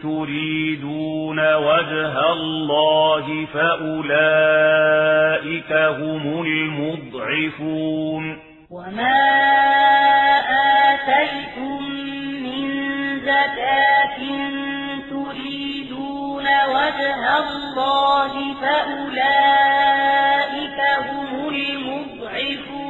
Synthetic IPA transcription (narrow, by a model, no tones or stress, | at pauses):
t̪ʊɾiːd̪uːnawad͡ʒɦalːɑːɦɪfaʔʊlaː | ʔɪkaɦʊmʊlmʊd̪ˤʕɪfuːn | wamaː | ʔaːt̪ajt̪ʊmːɪnzakaːt̪ɪn | t̪ʊɾiːd̪uːnawad͡ʒɦalːɑːɦɪfaʔʊlaː | ʔɪkaɦʊmʊlmʊd̪̚ˤʕɪfː